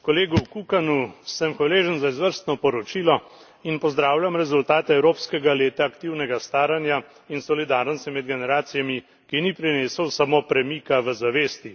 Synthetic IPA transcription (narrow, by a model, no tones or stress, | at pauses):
kɔleːɡuwkukanusəmxʋaleːʒənzaizʋəɾst̪nɔpɔɾɔt͡ʃiːlɔ | inpɔzd̪ɾaːwlʲjamɾɛzult̪aːt̪ɛɛwɾoːpskɛɡaleːt̪aːkt̪iwnɛɡast̪aːɾanja | insɔlid̪aɾnɔst̪imɛd̪ɡɛnɛɾaːt̪sijami | kinipɾineːsəwsamoːpɾɛmikaʋəzaʋeːst̪i